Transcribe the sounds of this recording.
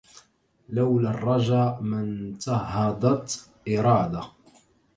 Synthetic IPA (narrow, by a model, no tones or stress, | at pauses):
lawlarˤːɑʒaːmɪnt̪ɑɦɑd̪ˤɑt̪ | ʔɪɾˤɑːd̪a